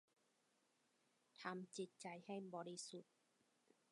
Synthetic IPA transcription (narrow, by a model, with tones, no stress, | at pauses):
t̪ʰa˧mt͡ɕi˨˧˦t̪̚t͡ɕa˨˧jha˥˩jbɔː˨˧li˦˥su˨˩t̪̚